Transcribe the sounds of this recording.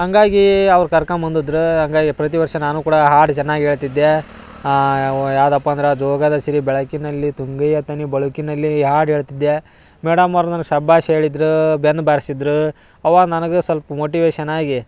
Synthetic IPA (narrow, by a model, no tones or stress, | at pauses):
ɦɐŋɡaːɡiɐʋɐɾkɐɾkɐmɐnd̪ud̪ɾuɦɐŋɡaːɡipɾɐt̪̬iʋɐɾʂɐnaːnuːkuːɽɐɦaːɽt͡ʃɛnːaːɡiɦeːɭt̪id̪ːe | jaːʋd̪ɐpːɐɐnd̪ɾed͡ʒɔːɡɐd̪ɐsiɾibɛɭɐkinɐlːit̪uŋɡɐjɐt̪ɐnibɐɭukinɐlːiɦaːɽɦeːɭt̪id̪ːe | mɛːɽɐmːɐɾnɐnɐɡsɐbaːʃeːɭid̪ɾubenːbaːɾisid̪ɾu | ɐʋaːɡnɐnɐɡesɐlpɐmoːʈiʋeːʃɐnaːɡi